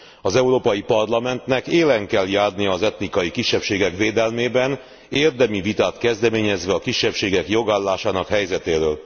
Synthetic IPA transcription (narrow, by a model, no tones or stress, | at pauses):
ɒzɛuɾoːpɒjipɒrlɒmɛnt̪nɛkeːlɛŋkɛljaːrnijɒːzɛt̪nikɒjikiʃːɛpʃeːɡɛkveːd̪ɛlmeːbɛn | eːrd̪ɛmivit̪aːt̪kɛzd̪ɛmeːɲɛzʋɛɒkiʃːɛpʃeːɡɛkjo̞ɡaːlːaːʃaːnɒkhɛjzɛt̪eːɾøːl